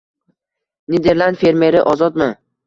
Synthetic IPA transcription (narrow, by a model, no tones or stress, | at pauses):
ned̪e̞ɾlˠand̪fe̞ɾme̞ɾɪʔɒzɒt̪mɪ